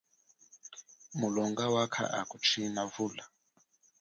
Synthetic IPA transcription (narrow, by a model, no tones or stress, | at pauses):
mulɔŋɡawakʰa̰ʔakut͡ʃʰinavula